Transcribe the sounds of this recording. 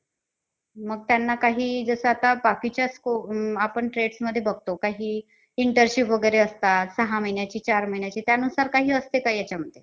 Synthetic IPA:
məɡ̚t̪janːakaɦiːd͡zəsəat̪abakit͡ɕjaskoapəɳʈɾeɖsməd̪ʱːjebəɡ̚t̪okaɦiː | iɳʈəɾɕipʋəɡəjɾeəst̪asəɦaməjnjat͡ɕiːt͡ɕaɾməiɳjat͡ɕiːt̪janusaɾkaɦiːəst̪ekaɦiːjat͡ɕjaməd̪ʱje

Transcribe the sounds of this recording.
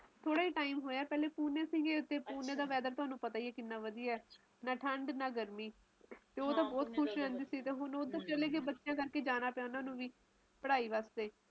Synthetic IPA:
t̪ʰoːɽaːiːʈaːiːmɦoːjaːɛːpɛːleːpuːnẽːsĩːŋɡẽːʊt̪ːeːpuːneːd̪aːʋɛːd̪əɾt̪ʊɦaːnũːpət̪aːiːɛːkɪnːaːʋəd̪ijaɛː | naːʈʰəɳɖnaːɡəɾmiː | t̪eːoːt̪ãːbɔːt̪kʰʊʃɾɛ̃nd̪iːsiːt̪eːɦʊnoːd̪ə̃t͡ʃəleːɡeːbətːʃɪjãːkəɾkeːd͡ʒaːnaːpeaːʊnãnũːʋiː | pəɽaːiːʋaːst̪eː

